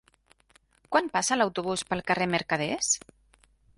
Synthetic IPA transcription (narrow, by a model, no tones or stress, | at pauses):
kwanpasəlawt̪uβuspəlˠkəreməɾkəðɛs